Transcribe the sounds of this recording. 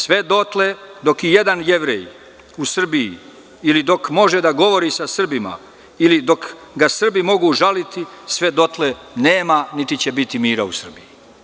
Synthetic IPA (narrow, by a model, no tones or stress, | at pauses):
sʋe̞d̪o̞t̪led̪o̞kijed̪anje̞ʋɾḛj | usr̩biji | ilid̪o̞kmo̞ʒed̪aɡo̞ʋo̞ɾisasr̩bima̰ | ilid̪o̞kɡasr̩bimo̞ɡuːʒalit̪isʋe̞d̪o̞t̪lene̞ːmanit̪it͡ɕebit̪imiːɾausr̩biji